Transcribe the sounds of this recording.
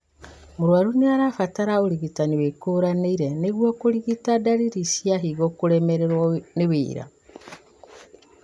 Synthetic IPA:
muɾwaɾuniaɾafataɾaoɾiɣitaniwekuɾaneiɾeneɣwokoɾiɣitadaɾiɾisjaɦiɣokuɾemeɾeɾwnewḭːɾa̰

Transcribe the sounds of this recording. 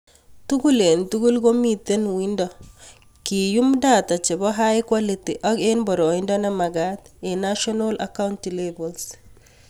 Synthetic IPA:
tuɡulentuɡulɡomitenwindɔ | kijumdatat͡ʃɛbɔɦaikwalitiʔɔɡenbɔɾɔindɔnamaɡatɛnaʃɔnola̰kawntilebɔls

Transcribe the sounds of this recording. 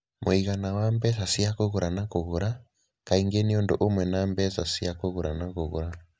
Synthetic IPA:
mʔoiɣanawambɛsasiakoɣuɾanakoɣuɾa | kaiŋɡeniɔndo̰ʔomwɛnambɛsasiakoɣuɾanakoɣuɾa

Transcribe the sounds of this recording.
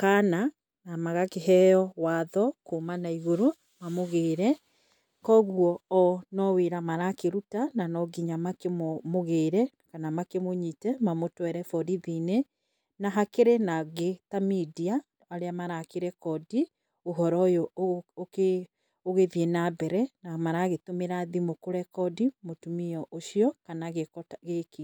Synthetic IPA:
kana | namaɣakeɦɛjɔwaðɔkomanaiɣoɾo | mamoɣeːɾɛ | kɔɣuɔɔnɔweɾamaɾakeɾutananɔɡiɲamakemomoɣeːɾɛ | kanamakemoɲitɛmamotwɛɾɛfɔɾiðine | naɦakeɾenaɣetamidia | aɾeamaɾakeɾɛkɔdi | oɦɔɾɔjɔoke | oɣeðienabɛɾɛnamaɾaɣetomeɾaðimokoɾɛkɔdimotumiɔʔoʃiɔkanaɣekɔtɣeke

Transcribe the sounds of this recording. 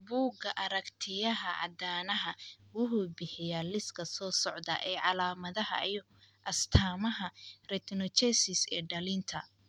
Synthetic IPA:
buːɡɐʔɐɾɐkt̪ʰɪjɐɦɐʕɑ̰d̪aːnɐɦɐwʊhʊbɪħɪjaːlɪskʰɐsɔːsɔʕd̪ɐ̰ʔɛːʕɑlaːmɐðɐɦɐ̰ij | ʔɐst̪ʰaːmɐɦɐrɛt̪ʰnɔt͡ʃɛsɪsɛ̰ːɖɐlɪnt̪ʰɐ

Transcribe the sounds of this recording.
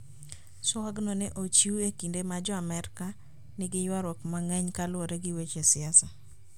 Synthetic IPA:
sɔwaɡnɔnɛʔot͡ʃiuekindemad͡ʒɔamɛɾka | nɪɡɪjwaɾɔkmaŋɛɲkalʊoɾeɡɪwet͡ʃesɪasa

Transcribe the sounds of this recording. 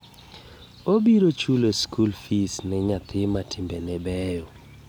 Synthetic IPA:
obiɾot͡ʃuloskulfisnɪɲat̪ʰɪmatʰɪmbenɛbɛjo

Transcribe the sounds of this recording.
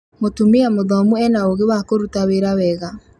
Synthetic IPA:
motumeamoðɔmuɛnaoɣewakoɾutaweɾawɛɣa

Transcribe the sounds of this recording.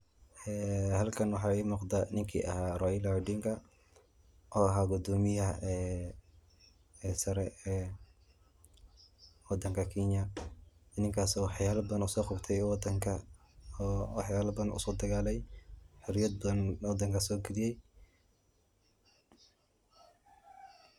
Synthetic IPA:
ʔɛːhɐlkʰɐnwɑħɑːiːmɔqd̪ɐnɪŋkʰḭːʔɐ̰haːrɔjɪlaɖiŋkʰɐ | ʔɔːʔɐɦaːɡʊd̪ɔːmɪjɐɛː | ɛːsɐɾɛɛ | wɑd̪ɐŋkʰɐkʰiɲjɐ | ɪnɪŋkʰaːsɔħɑjaːlɐbɐðɐnʊsɔːqʊbt̪ʰɛjwd̪ɐŋkʰɐ | ħɑjaːlɐbɐðɐnʔʊ̰sɔːd̪ɐɣaːlɛjħɪɾɪjɐd̪̚bnwɑd̪ɐŋkʰɐsɔːɡɪɾɪjɛj

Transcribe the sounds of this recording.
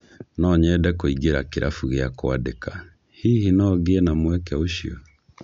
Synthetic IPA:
nɔɲɛdɛkoiɡeɾakeɾʔafuɣeakoadeka | hiːhinɔɣeɛnamwɛkɛoʃio̰

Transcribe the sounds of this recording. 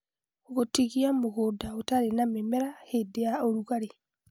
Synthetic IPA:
oɣotiɣiamoɣoːdaotaɾenamemɛɾahedejaoɾuɣaɾe

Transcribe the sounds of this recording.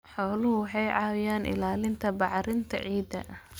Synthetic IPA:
ħɔːlʊhʊwɑħɑjʕɑːwɪjaːnʔɪ̰laːlɪnt̪ʰɐbɑʕɾɪnt̪ʰɐ̰ʕiːd̪ɐ̰ʔɐ

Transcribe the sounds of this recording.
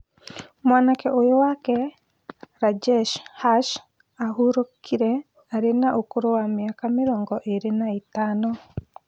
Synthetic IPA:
mwaːnakɛʔojowakɛ | ɾad͡ʒɛʃhaʃ | aɦuɾokʰiɾɛ | aɾenaʔokoɾowameakameɾɔːŋɡɔʔeɾenaetaːnɔ

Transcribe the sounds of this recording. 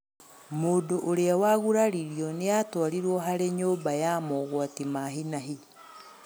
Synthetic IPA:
moːdoʔoɾeawaɣuɾaɾiɾiɔneatwaɾiɾwɔɦaɾeɲoːmbajamɔɣwatimaɦinaɦi

